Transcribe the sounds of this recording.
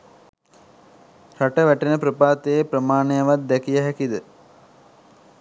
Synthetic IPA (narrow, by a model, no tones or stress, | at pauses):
ɾaʈəʋæʈenəpɾəpaːt̪ejeprəmaːnejəʋat̪̚d̪ækijəɦækid̪ə